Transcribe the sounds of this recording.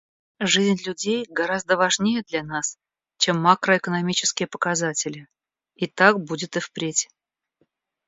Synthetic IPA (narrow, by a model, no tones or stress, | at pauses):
ʐɨzʲnʲlʲʉdʲejɡɐɾazd̪əvɐʐnʲejəd̪lʲanas | t͡ɕe̞mːakɾəɪkənɐmʲit͡ɕɪ̥skʲɪjəpə̥kɐzatʲɪlʲɪ | it̪ak̚budʲɪt̪ɨfpɾʲetʲ